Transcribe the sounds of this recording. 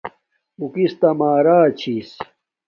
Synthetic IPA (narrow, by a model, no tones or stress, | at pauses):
ukist̪ɐmaːɾaːt͡ɕʰiːs